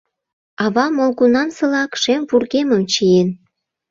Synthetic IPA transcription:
ɑβɑmolɣunɑnsɤ̆lɑkʃemvurɣemə̆mt͡ɕijen

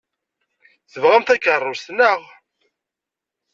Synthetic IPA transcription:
θəvʁæmθækərˤːʊst̪nəʁ

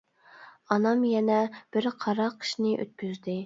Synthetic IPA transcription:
ɑnɑmjɛnɛb̥ɪɾqʰɑɾɑqʰːə̥ʃnɨʔø̰t̪̚bʲyzd̪ɪ

